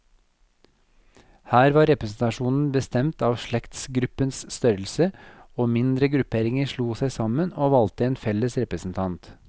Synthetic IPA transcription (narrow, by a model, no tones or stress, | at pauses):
hæːɾʋɑːɾɛpɾəsn̩t̪ɑʃuːnn̩bəst̪ɛmt̪ɑːʋʃɭɛkt̪sɡɾʉpənsst̪œɾl̩səoːmɪnd̪ɾəɡɾʉpʰeːɾɪŋəɾʃluːsæɪsɑmənoːʋɑlt̪əeːnfɛləsɾɛpɾəsn̩t̪ʰɑnt̪